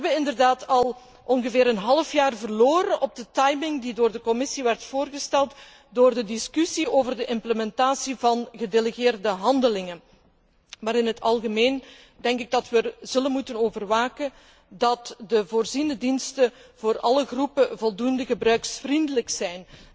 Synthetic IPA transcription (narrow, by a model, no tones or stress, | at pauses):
bəɪndərdaːtɑlˠ | ʔɔnɣəvɪːɾənɦɑləfjaːrvərloːɾənʔɔb̚dətɑjmɪŋdidoːrdəkɔmɪsiʋɛrtfoːrɣəstɛlˠt | doːrdədɪskysioːvərdəʔɪmpləmɛntaːsivɑnɣədeləɣɪːrdəɦɑndəlɪŋə | maːɾɪnɦətɑlˠɣəmeːn | dɛŋkɪɡ̚dɑtʋəz̥ɵlənmutənoːvərʋaːkən | dɑtdəvoːrzindədinstəv̥oːrɑ̰ləɣrupəvɔlˠdundəɣəbrœɥksfrindələksɛjn